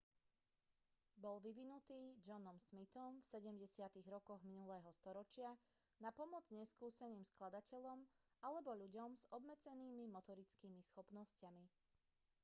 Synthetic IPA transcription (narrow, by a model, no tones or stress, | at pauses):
bɔlʋiʋinut̪iːd͡ʒɔnɔmʃmit̪ɔmfsɛɟɛmɟɛsɪat̪iɣɾɔkɔɣminulɛːɦɔst̪ɔɾɔt͡ʃɪa | napɔmɔd͡zɲɛskuːsɛniːmsklad̪acɛʎɔm | alɛbɔʎuɟɔmzɔbmɛd͡zɛniːmimɔt̪ɔɾit͡skiːmisxɔpnɔscami